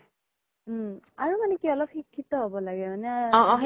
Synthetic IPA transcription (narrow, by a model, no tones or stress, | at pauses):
aɹumanɛkiɔlɔp̚xikʰːitɔɦobɔlaɡɛmanɛaɔ̃